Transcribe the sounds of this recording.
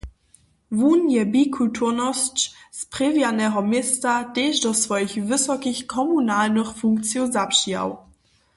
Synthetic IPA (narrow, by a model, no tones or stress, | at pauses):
vuːnjɛbiːkʰultʰuɐnɔst͡ʃspʁevjanɛɦɔmjestateːʃdɔsv̥ɔjçvəsɔkɪçkʰɔmunaːlnəχfuŋkt͡sjozapʃija̰w